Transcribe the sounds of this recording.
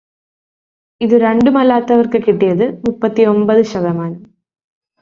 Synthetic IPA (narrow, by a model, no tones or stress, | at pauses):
ɪðɯɾɛɳɖɯmɐlːaːt̪ːɐʋɐɾkɯkːɪʈːɛjɐðɯmʊpːɐt̪ːiɔmbɐðɯʃɐɣɐmaːnɯm